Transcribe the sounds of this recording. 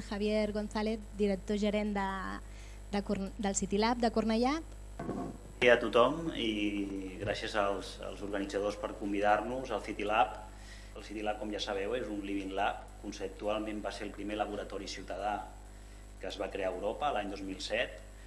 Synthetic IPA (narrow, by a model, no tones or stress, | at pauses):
xəβjeɾɣonθaleθd̪iɾək̚t̪oʒəɾend̪ə | d̪əkud̪əlˠsit̪ilap̚d̪əkurnəʎap̪ | iət̪ut̪ɔmiɣɾasjəzəlˠsə̰lˠzuɾɣənid͡zəðospəɾkumbiðaɾnuzəlˠfit̪ilap | əlˠsit̪ilap̚kɔmʒasəβɛwezunliβinlap̚ | kunsəp̚t̪ualˠmẽmbaseɾlˠpɾimeləβuɾət̪ɔɾisiuwt̪əða | kəːzβakɾeaəwɾopəlaɲd̪ozmilˠsɛt̪̚